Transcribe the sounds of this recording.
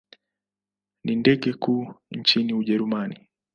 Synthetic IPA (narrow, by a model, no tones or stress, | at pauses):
nindɛɠɛkuːɲt͡ʃiniuʄɛɾumani